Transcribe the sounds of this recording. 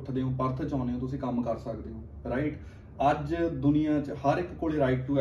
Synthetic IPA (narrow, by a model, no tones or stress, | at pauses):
ʈʰd̪eːɦõːpəɾt̪ʰt͡ʃãːneːõːt̪ʊsĩːkəmkəɾsəkd̪eːɦõː | ɾaːɪʈ | əd͡ʒd̪ʊnɪjãːt͡ʃhəɾɪkkːoːɭeːɾaːɪʈʈuːɛ